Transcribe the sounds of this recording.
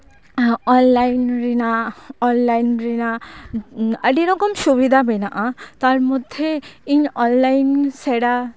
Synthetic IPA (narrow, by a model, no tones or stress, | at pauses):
ɔnlajnɾinaɔnlajnɾina | əɖiɾʌkɔmsubid̪ʱabʱəjnaʔãt̪ʌɾmud̪ʱeinɔnlajnseɽa